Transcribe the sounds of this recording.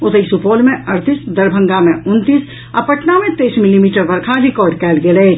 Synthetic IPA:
ʊt̪əisupoːlmẽɐɾt̪ʰisd̪ɐɾbʱə̃ŋɡamẽʊnt̪is | əpɐʈnamẽt̪eːsmɪlimiːʈəɾbəɾkʰaɾɪkɔːɾɖkɛːlɡeleː

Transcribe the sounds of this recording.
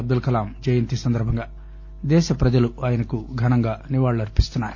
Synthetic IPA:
ɐb̚d̪ulkɐlaːmd͡ʒɐjɐnt̪isɐnd̪ɐɾbʱɐŋɡaː | d̪ɛːʃɐpɾɐd͡ʒɐluaːjɐnɐkuɡʱɐnɐŋɡaːniʋaːɭːuɐɾpist̪unːaːɾu

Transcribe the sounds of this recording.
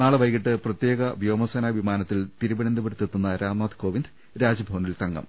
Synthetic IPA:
naːɭɨʋɐjkiʈːɨprɐt̪jeːɡɐʋjo̞ːmɐsɐnaːʋimaːnɐt̪ːilt̪iɾuʋiɳend̪ubeɽut̪ːet̪ːunːɐɾaːmmaːd̪ko̞ːʋind̪ | ɾaːd͡ʑɐbʱoʋnilt̪ɐŋɡɐ̰m

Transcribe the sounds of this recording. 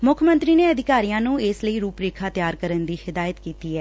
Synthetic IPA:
mʊkʰmə̃nt̪ɾiːneːəd̪ʱɪkaːɾijãːnũːesləiːɾuːpɾeːkʰaːt̪jaːɾkəɾənd̪iːhɪd̪aːjət̪kiːt̪iːɛː

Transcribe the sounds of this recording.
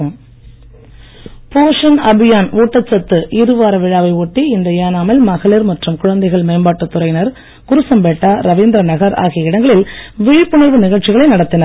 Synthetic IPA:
poːʂɐnɐbɪjaːnuːʈːɐt͡ʃːɐt̪ːɯʔɪɾɯʋaːɾɐʋɪɻaːʋɐɪɔʈːiɪnd̪ɐjaːnaːmɐlmɐɣɐlɪɾmɐʈrɯmkʊɻɐnd̪ɐɪɣɐɭmɐɪmbaːʈːɯt̪ːʊɾɐɪnɐɾ | kʊɾɯsɐmbeːʈːaːɾɐʋiːnd̪ɾɐnɐɣɐɾa̰ːɣɪjɐɪɽɐŋɡɐɭɪlʋɪɻɪpːɯɳɐɾʋɯnɪɣɐɭt͡ʃɪɣɐɭɐɪnɐɽɐt̪ːɪnɐɾ

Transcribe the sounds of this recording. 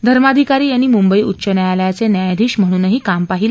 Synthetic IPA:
d̪ʱəɾmad̪ʱikaɾiːjaɽ̃iːmumbəiːut̪ːɕənajaljat͡senjajad̪ʱiːɕm̤əɽ̃uːnəɦiːkampaɦil

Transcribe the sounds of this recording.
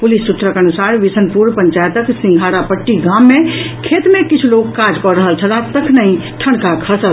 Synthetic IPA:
pulist̪ut̪ɾəkənusaɾʋisənpuɾpəɲt͡ʃajət̪əksĩŋɡʱaɽapəʈːiɡamːẽkʰet̪mẽkit͡ʃʰloɡkad͡ʒkɔɾəɦəlt͡ʃʰəlat̪əkʰnəĩʈʰəɽkakʰəsə

